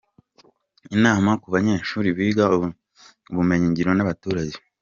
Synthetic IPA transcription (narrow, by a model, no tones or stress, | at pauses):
inaːmakuβaɲe̞ːʃuːɾiβiːɡa | uβume̞ɲiɲɟiɾo̞naβatuːɾaɟe